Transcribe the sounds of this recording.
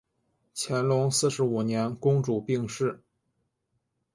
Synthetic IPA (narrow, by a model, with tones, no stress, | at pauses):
t͡ɕʰjɛ˧˥nlʊ˧˥ŋsɹ̩˥˩ʂɻ̩˧˥u˨˩njɛ˧˥nkʊ˥ŋʈ͡ʂu˨˩pi˥˧ŋʂɻ̩˥˩